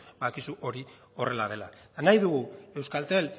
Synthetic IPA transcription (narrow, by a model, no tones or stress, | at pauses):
bakisuʔo̞ɾi | o̞re̞laðe̞la̰ | najðuɣue̞wskalt̪e̞l